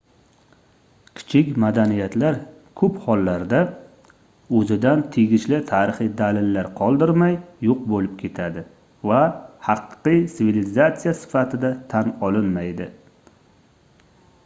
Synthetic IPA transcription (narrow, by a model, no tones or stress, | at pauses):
kʲʰɪ̥t͡ʃʰɪkʲmad̪anijat̪laɾ | kʰɵphɒlːaɾd̪a | ɵzɪd̪ant̪ʰeɡʲɪʃlɪt̪ʰaɾɪχɨjd̪alɪlːaɾqʰɒlˠd̪ɪɾmajːoq̚bolɪp̚kʲʰe̞t̪ʰad̪ɪ | vahɑqːɨjsɪvilɪzat̪sijasɪ̥fat̪ʰɪd̪at̪ʰanɒlɪnmajd̪ɪ